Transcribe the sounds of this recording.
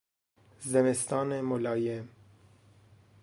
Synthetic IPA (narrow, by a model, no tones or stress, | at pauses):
zzɛmest̪ɑːnemolɑːjɛm